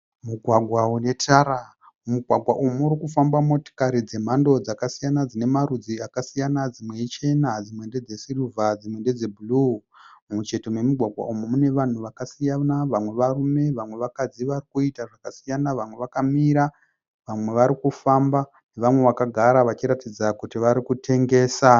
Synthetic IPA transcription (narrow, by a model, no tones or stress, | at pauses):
muɡʱwaɡʱwaune̞tʰaɾa | muɡʱwaɡʱwaʔumuːɾikufambamo̞to̥kaɾid͡ze̞m̤ando̞d͡zakasijanad͡zine̞maɾud͡ziakasijanad͡zimwe̞it͡ʃe̞nad͡zimwe̞nde̞d͡ze̞siruvad͡zimwe̞nde̞d͡zebulu | mut͡ʃe̞to̞me̞muɡʱwaɡʱwa̰ʔumumune̞ʋan̤uʋakasijanaʋamwe̞ʋarume̞ʋamwe̞ʋakad͡ziʋarikuitaʐakasijanaʋamwe̞ʋakamiɾa | ʋamwe̞ʋaɾikufamba | ne̞ʋamwe̞ʋakaɡʱaɾaʋat͡ʃiɾatid͡zakutiʋaɾikutʰe̞ŋɡe̞ːsa